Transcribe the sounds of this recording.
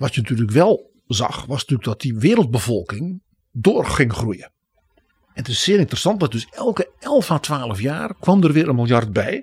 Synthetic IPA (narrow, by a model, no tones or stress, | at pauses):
ʋɔsjənatyːrlyləkʋɛlˠ | zɑ̰xʋɔsnatyːlək̚dɔt̚diʋɪːɾəl̩ˠt̚bəvɔlˠkɪŋ | doːrxɪŋxrujə | ɛnətɪssɪːɾɪntərəsɑnt̚dɔt̚døsɛlˠkəɛlˠfaːtʰʋaːlˠəfjaːrkwɔmdərʋɪəɾənmɪlˠjart̚bɛj